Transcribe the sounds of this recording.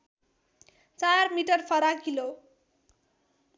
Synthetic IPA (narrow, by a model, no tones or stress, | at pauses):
t͡sarmiʈʌrpʰʌɾakilo